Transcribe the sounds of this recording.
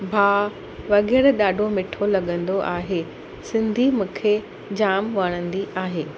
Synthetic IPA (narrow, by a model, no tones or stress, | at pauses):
bʱaː | ʋɐɠɛːɾɗaːɖʱomɪʈʰolɐɠə̃nd̪oʔaːɦe | sɪ̃nd̪ʱimʊ̃kʰe | d͡ʑaːmʋɐɽ̃ə̃nd̪iʔaːɦeː